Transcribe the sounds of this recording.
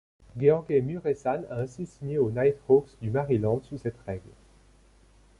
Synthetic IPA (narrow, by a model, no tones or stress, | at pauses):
ɡeɑ̃ɡemyʁesana̰ɛ̃sisiɲeonajt̪hoksd̪ymaʁilɑ̃d̪susɛt̪ʁɛɡl